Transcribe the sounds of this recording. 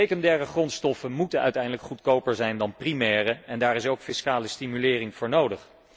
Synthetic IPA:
ejkɔndɛːrəχrɔntstɔfənmutənœ̰ɥtɛjndələkχutkowpəɹzɛjndɑnprimɛːrəɛndaːɾɪsowkfɪskaːləstimylɪːrɪŋvʊːɹnowdəχ

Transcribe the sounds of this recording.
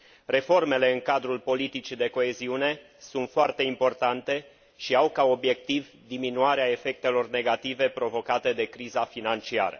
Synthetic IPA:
re̞fo̞rme̞le̞ɨŋkad̪ɾulpo̞lit̪it͡ʃid̪e̞ko̞e̞ziune̞ | sunt̪foart̪e̞impo̞rt̪ant̪e̞ | ʃiawkao̞bje̞k̚t̪iv | d̪iminuaɾeae̞fe̞k̚t̪e̞lo̞rne̞ɡat̪ive̞pɾo̞vo̞kat̪e̞d̪e̞kɾizafinant͡ʃia̰ɾə̰

